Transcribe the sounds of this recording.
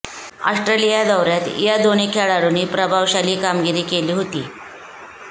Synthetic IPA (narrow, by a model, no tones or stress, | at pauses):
a̰sʈɾelijad̪əʋɾjat̪jad̪onekʰeɭaɽuniːpɾəbʱaʋɕaliːkamɡiɾiːkeliːɦot̪iː